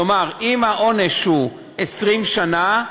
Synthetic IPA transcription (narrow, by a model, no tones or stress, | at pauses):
omaʁimhaʔo̞neʃhu | esʁimʃana